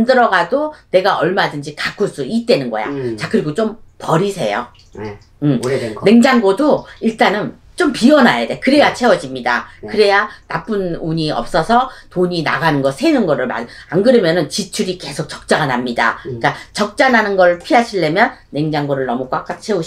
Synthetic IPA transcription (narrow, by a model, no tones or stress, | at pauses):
ndɯɾʌɡadone̞ɡaʌɭmadɯnd͡ʑikakʰuɭs͈uit̚t͈we̞nɯnɡʌ̰ja̰t͡ɕakɯɾiɡot͡ɕompʌɾisʰe̞̰jo̰ | ɯmne̞ŋd͡ʑaŋɡodoiɭt͈anɯn | t͡ɕompiʌnajadekɯɾe̞jat͡ɕʰe̞wʌd͡ʑimɲida̰kɯɾe̞janap͈ɯnuɲiʌ̰p̚s͈ʌsʰʌtoɲina̰ɡanɯnɡʌsʰenɯnɡʌɾɯɭma̰anɡɯɾɯmjʌnɯnt͡ɕit͡ɕʰuɾike̞sʰok̚t͡ɕʌ̥k̚t͡ɕ͈aɡanamɲida̰k͈at͡ɕʌk̚t͡ɕ͈ananɯnɡʌɾɯɭpʰiɦaɕʰiɭːe̞mjʌnːe̞ŋd͡ʑaŋɡoɾɯɭnʌmuk͈wak͈at͡ɕʰe̞u